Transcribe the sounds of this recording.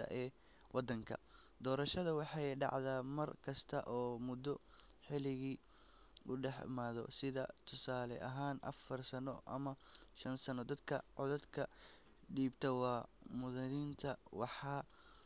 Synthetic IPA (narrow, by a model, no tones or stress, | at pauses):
ɐ̰ʔɛː | wɑd̪ɐŋkʰɐ̰d̪ɔːɾɐʃɐðɐwɑħɑjɖɑ̰ʕðaːmɐrkʰɐst̪ʰɐʔɔːmʊd̪ɔ | ħɪlɪɣiː | ʊɖɛħɪ̰maːðɔ̰sɪðɐ̰t̪ʰʊsaːlɛ̰ʔɐɦaːnʔɐ̰fɐrsɐnɔʔɐ̰mɐʃɐnsɐnɔd̪ɐd̪kʰɐʕɔðɐd̪kʰɐ | ɖiːbt̪ʰɐwɑːmʊðɐnint̪ʰɐwɑħɑː